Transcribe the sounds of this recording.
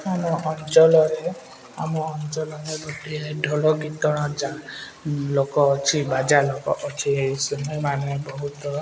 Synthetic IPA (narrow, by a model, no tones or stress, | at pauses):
amɔɦɔnt͡ʃɔlɔɾɛ | amɔɦɔnt͡ʃɔlɔnɛɡoʈiɛdʱɔlɔɡit̪ɔɹɔ̃d͡ʒa | lokɔːt͡ʃʰibad͡ʒalɔkɔʔɔt͡ʃʰisɔnɔmanɛbɔɦut̪ɔ